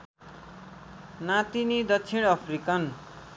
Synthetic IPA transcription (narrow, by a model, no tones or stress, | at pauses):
nat̪inid̪ʌt͡sʰiɽ̃ʌpʰrikʌn